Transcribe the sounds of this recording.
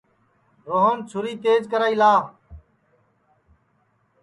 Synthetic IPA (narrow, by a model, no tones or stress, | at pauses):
ɾoːɦənt͡ʃʰʊɾiːt̪eːd͡ʒkəɾaːiːlaːɦ